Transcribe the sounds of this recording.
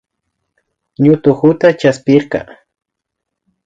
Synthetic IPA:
ɲʊt̪ʊxʊt̪at͡ʃaspɪɾqɑ̰

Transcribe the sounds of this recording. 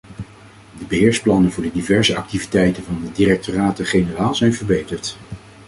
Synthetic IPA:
dəbəɦɪːɹsplɑnənvʊːɹdədivɛɹzəɑk̚tivitɛjtənvɑndədirɛk̚toraːtəχejnəraːlˠzɛjnvəɹbejtəɹt

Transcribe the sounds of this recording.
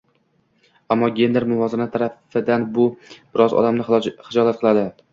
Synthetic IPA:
amːɒɡʲe̞nd̪eɾmʊvɒzɪnat̪ʰaɾafɪd̪anbʊb̥ɪɾɒzɒ̰d̪amnɪχɪd͡ʒɒlat̪qʰɨlˠad̪ɪ

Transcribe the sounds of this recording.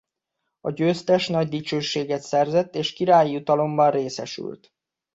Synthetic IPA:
ɒɟøːst̪ɛʃn̪ɒɟ̚d̪it͡ʃøːʃːeːɡɛt̪sɛrzɛt̪ːeːʃkiɾaːjijut̪ɒlo̞mbɒnreːsɛʃy̰lt̪

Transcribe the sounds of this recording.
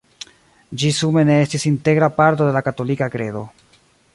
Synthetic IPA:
d͡ʒisume̞ne̞estisinte̞ɡɾapaɾto̞d̪e̞lakato̞likakɾe̞̰do̞̰

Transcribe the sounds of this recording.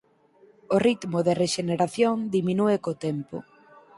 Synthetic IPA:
orit̪moðereʃeneɾaθjoŋd̪iminuekot̪empʊ̰

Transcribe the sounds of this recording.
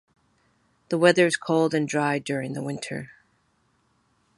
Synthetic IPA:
ðəwɛðə˞z̥kʰoʊlˠdɨ̃ndɹaɪdʊɹɪ̃ŋðəwɪ̃ntʰə̰˞

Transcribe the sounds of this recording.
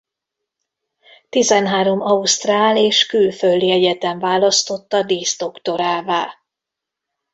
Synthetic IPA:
t̪izɛnɦaːɾo̞mɒust̪raːleːʃkylføld̪iɛɟɛt̪ɛɱvaːlɒst̪o̞t̪ːɒd̪iːst̪o̞kt̪o̞ɾaːvaːl

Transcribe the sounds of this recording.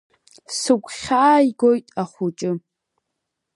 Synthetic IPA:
sɨkʷʼχʲaːjɡojtʼaχʷut͡ʃʼɨ

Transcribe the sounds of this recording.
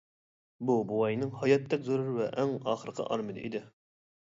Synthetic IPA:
bubuwɑjnɨŋhɑjɑt̪ʰːɛkʲzoɾuɾvɛʔɛŋɑːχəɾəqʰə̰ʔɑ̰ɾmɨnɨ̰ʔḭd̪ɪ

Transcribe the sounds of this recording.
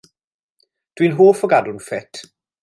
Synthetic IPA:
d̥winɦoːfɔɡadʊnfɛtʰ

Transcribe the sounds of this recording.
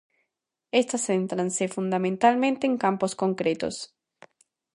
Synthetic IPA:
est̪asent̪ɾansefund̪amẽnt̪almẽnt̪eːŋkamposkoŋkɾet̪o̰s

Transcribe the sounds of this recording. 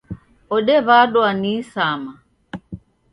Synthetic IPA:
ɔɗɛβaɗɔanisama

